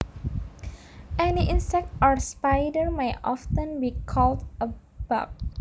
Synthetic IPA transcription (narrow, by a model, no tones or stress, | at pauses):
ʔɛniʔĩnsɛk̚tɔɹspajdəɹmajtʔɔ̰ftə̃nbikʰɔldə | b̥a̰k̚